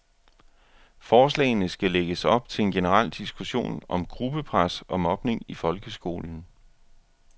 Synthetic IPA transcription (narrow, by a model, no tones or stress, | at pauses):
fɒːs̬lɛ̰ːɪnəsɡ̥æleɡ̥əsɒ̽b̥̚t͡sʰe̝enɡ̥e̝nəʁal̰d̥isɡ̥uɕo̝̰ːnɒ̽mɡ̥ʁub̥əpʰʁasɒ̽mɒ̽b̥ne̝ŋifɒ̽lɡ̥əsɡ̥o̝̰ːln̩